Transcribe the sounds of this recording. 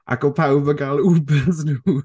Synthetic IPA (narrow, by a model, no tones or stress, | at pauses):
ʔa̰kɔpʰawbəɡalˠubəsnuː